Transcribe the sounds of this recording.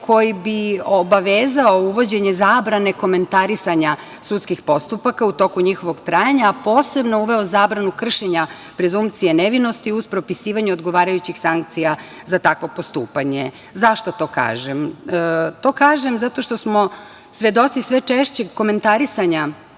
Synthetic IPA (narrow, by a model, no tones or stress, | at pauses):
kʰo̞jibiobaʋeːzao̞uʋo̞d͡ʑe̞ɲezaːbɾane̞ko̞me̞nt̪aɾisaɲa | sut̪skixpo̞st̪upakaut̪o̞kuɲixo̞ʋo̞ɡt̪ɾaːjaɲaːpo̞ːse̞bno̞uʋe̞ozaːbɾanukr̩ʃeɲa | pɾe̞zumpt̪sijeneʋino̞st̪iuspɾo̞pisiːʋaɲeo̞d̪ɡo̞ʋaːɾajut͡ɕixsaŋk̚t̪sija | zat̪akʋo̞po̞st̪ṵːpaɲe | zaʃt̪ot̪o̞ːka̰ːʒem | t̪o̞ːkaːʒe̞mzat̪o̞ʃt̪osmo̞ | sʋʲed̪o̞t̪sisʋet͡ʃeʃt͡ɕe̞ɡko̞me̞nt̪aɾisaɲa